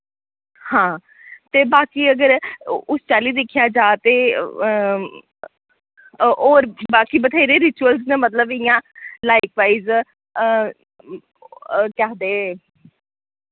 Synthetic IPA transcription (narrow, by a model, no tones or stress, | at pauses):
hãː | t̪eːbaːkiːəɡəɾʊst͡ʃaːliːd̪ɪkʰjaːd͡ʒaːt̪ḛː | oːɾbaːkiːbət̪ʰaːiɾeːɾɪt͡ʃuəlznẽːmət̪ləbɪjãːlaːikʋaːiːz | kɛɦd̪eː